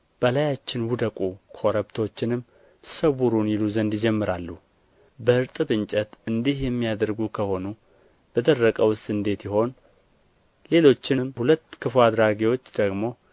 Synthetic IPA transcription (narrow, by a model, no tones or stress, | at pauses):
b̥əlajat͡ʃːɪnwʊd̪əkʼukʰo̞ɾəbt̪ʰo̞t͡ʃːɪnɨmː | səβuɾunjɪluzənd̪ɪd͡ʒɛmːɨɾalːu | bəʔɨɾt̪ʼɨbɨnt͡ʃʼət̪ɨnd̪ihjɛmːijad̪əɾɡukʰəho̞nu | b̥əd̪ərːəkʼəwɨst̪ʼɨnd̪e̞t̪jɪho̞n | le̞lo̞t͡ʃːɪmhulət̪ːkʰɨfad̪ɾaɡiwo̞t͡ʃːd̪̥əɡmo̞